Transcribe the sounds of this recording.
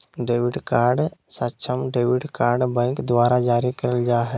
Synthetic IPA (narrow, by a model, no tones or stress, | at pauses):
ɖeːʋɪɖkaːɾɖsatːt͡ʃʰəmɖeːʋɪɖkaːɾɖbɛ̃ŋkd̪ʋaːɾad͡ʒaːɾikɐɾəld͡ʒaːɦɛ